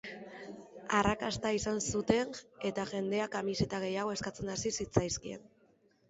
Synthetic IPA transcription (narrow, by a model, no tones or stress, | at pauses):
arakast̪aisansut̪e̞ŋe̞t̪aʝe̞nd̪e̞akamise̞t̪aɣ̞e̞jaɣ̞o̞e̞skat͡senasisit͡sajskie̞̰n